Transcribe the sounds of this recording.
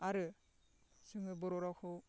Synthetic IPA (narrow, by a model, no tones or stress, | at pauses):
aɾɯ | sɯŋɯbɔɾɔɾakʰɯw